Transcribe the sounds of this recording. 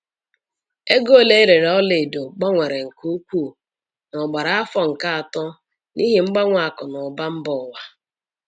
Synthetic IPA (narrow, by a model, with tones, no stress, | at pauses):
e˦ɡo˦˨le˦e˦ɾe˨ɾɔ˦lɪ˨do˨ɡ͡bɔ˦ŋʷe˨ɾe˨ŋ̩˨ku˦kʷuː˦˨ | nɔ˨ɡ͡ba˨ɾa˨a˦fɔ˦ŋ̩˨ka˦a˨tɔ˦ | ni˦ɦe˨ŋ͡m̩˦ɡ͡ba˦ŋʷa˨kʊ˨nʊ˨ba˦m̩˦bɔ˦˨wa˦